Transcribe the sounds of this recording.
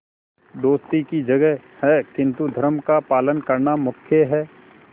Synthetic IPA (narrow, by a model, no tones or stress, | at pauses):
d̪oːst̪ikid͡ʒɐɡɛɦhɛkɪ̃nt̪ud̪ʱəɾmkapaːlənkɐɾnamʊkʰjəɦɛː